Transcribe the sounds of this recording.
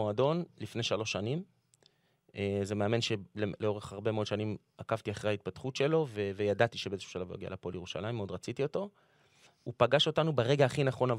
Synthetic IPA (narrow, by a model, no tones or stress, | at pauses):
oado̞nlifne̞jʃalo̞ʃanim | eze̞me̞ame̞nʃe̞leleo̞ʁeχaʁbe̞meo̞dʃanim | akavt̪iaχʁehait̪̚patχutʃe̞lo̞vevejadat̪iʃebeezeʃu̥ʃalavja̰ɡia̰la̰polje̞ʁuʃa̰lajimo̞dʁat͡sit̪io̞to̞ | upaɡaʃo̞tanubeʁe̞ɡaːχinaχo̞nav